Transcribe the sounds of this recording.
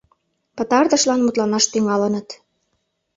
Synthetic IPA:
pə̆t̪ɑrd̪ə̆ʃlɑnmut̪lɑnɑʃt̪yŋɑlənə̆t̪

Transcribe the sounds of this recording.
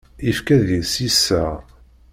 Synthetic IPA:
ifkæðisisːæ

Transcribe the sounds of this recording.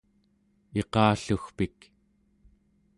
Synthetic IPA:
e̞qɑːɬuxpik

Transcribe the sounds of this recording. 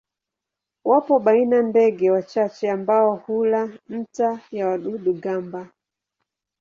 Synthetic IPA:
wapɔɓainandɛɡɛwat͡ʃat͡ʃɛambaɔhulam̩tajawaɗuɗuɡamba

